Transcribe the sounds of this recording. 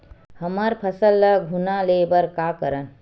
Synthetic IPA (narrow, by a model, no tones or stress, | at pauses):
həməɾpʰəsəlːəɡʱunalebəɾkakəɾən